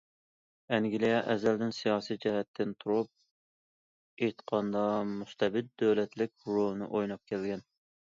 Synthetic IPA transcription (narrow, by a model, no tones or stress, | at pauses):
ɛŋɡʲilijɛʔɛzæld̪ɪnsijɑːsijd͡ʒɛɦɛt̪ʰːɪnt̪ʰuɾup̚ | et̪qʰɑnd̪ɑmust̪ʰɛbɪd̪̚d̪ːøwlɛt̪lɪk̚ʲɾolˠɨnɨ̰ʔojnɑp̚kʲʰɛlɡʲɛn